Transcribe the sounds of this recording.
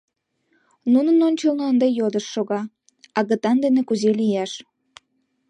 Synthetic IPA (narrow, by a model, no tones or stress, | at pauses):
nunənonʲt͡ɕəlnəənd̪ejod̪əʃːoɣɑ | ɑɣət̪ɑnd̪enekuzelijæʃ